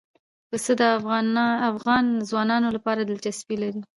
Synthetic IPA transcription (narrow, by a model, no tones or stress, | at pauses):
kəsəd̪ə | afɣɑnzwɑnɑnolapɑɾad̪əlt͡ʃasbilaɾi